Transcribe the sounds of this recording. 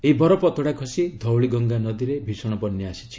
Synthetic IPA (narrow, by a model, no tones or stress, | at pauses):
eibɔɾɔpɔt̪ɔɽakʰɔsid̪ʱɔwɭiɡɔŋɡanɔd̪iɾebʱisɔɽ̃ɔbɔnjɔasi̥t͡ʃʰi̥